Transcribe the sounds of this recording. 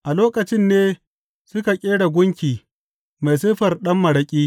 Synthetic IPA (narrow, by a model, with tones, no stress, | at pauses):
ʔa˨loː˦kɐ˨t͡ʃɪ˦nːeː˦ | sʊ˦ka˨kʲʼeː˦ɽa˨ɡʷʊ˦ŋkʲiː˨ | ma˨js̬ɐ˦ɸɐ˨rɗɐ˦mːɐ˨ɽɐ˦kʲʼiː˦